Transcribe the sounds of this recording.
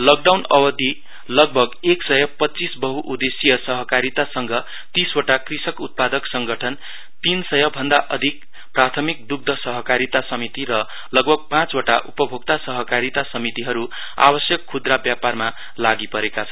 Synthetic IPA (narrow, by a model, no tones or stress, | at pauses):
lok̚ɖawnʌbʌd̪ʱi | lʌɡ̚bʱʌɡeksʌjʌpʌtːt͡sisbʌɦuʔud̪esijʌsʌɦʌkaɾit̪asʌŋɡʌ | t̪isoʈakrisʌkut̪̚pad̪ʌksʌŋɡʌʈʰʌn | t̪insʌjʌbʱʌnd̪aʔʌd̪ʱik̚ | prat̪ʰʌmik̚d̪uɡ̚d̪ʱʌsʌɦʌkaɾit̪asʌmit̪irʌ | lʌɡbʱʌɡ̚pãt͡soʈa̰ʔupʌbʱoɡ̚t̪asʌɦʌkaɾit̪asʌmit̪iɦʌɾu | a̰bʌsjʌkʰːud̪rabjaparma | laɡipʌɾekat͡sʰʌn